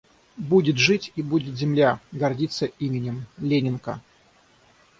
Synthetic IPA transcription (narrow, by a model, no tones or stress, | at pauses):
budʲɪt̪ʐɨtʲibudʲɪt̪zʲɪmlʲaɡɐrdʲit̪sːəimʲɪnʲɪmlʲenʲɪnkə̰